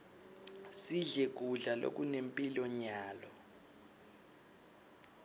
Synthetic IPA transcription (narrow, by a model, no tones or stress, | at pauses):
siɮɛk̬ʼuɮalo̰k̬ʼunempʼilɔɲaːlɔ